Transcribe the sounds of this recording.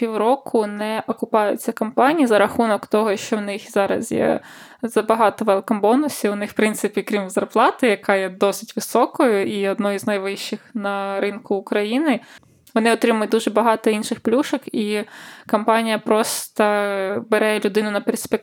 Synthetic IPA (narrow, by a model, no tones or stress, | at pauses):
pʲiwɾɔkʰʊnɛʔɔkʊpɑjʊ̰t͡sʲːɐkɐmpɑnʲijizɐɾɐxunɔkt̪ɔɦɔʃt͡ʃɔwnɪxzɑɾɐ̰zjɛ̰zɐbɐɦɑt̪ɔʋɛlˠkɐmbɔnʊsʲiwʊnɪxwpɾɪnt̪sɪpʲikɾʲimzɐrplˠɑt̪ɪjɐkʰɑjɛd̪ɔsɪ̥tʲʋɪsɔkɔjʊiɔd̪nɔjiznɐjʋɪʃt͡ʃːɪxnɐɾɪnkʊːkɾɐjinɪ | ʋɔnɪɔt̪ɾɪmʊjʊt̪̚ʲd̪uʒɛbɐɦɑt̪ɔinʃɪxplʲuʃɔkikɐmpɑnʲijɐpɾɔst̪ɐbeɾɛlʲʊd̪ɪnʊnɐperspʲek